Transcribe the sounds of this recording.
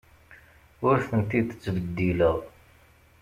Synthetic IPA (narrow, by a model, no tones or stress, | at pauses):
ʊɾθənt̪iθə̥t͡sːbəd̪ːiləʁˤ